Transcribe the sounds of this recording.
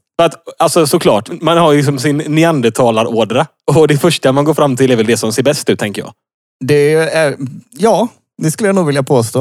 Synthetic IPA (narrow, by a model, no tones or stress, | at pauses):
fœɾat̪alsɔsɔkʰlɑ̰ːʈmanhaɾɪks̬ɔmsɪnːɪand̪ət̪ʰɑːlaɾoːɖɾa | ɔd̪ɛfœʂʈamanɡoːfɾamːt̪ʰɪlɛɾvɛld̪ɛsɔmseːɾbɛst̪ʉ̟t̪ːʰɛŋkəɾjɑ̰ː | d̪ɛæjɑː | d̪ɛskɵləjanuːɡvɪljapʰoːst̪oː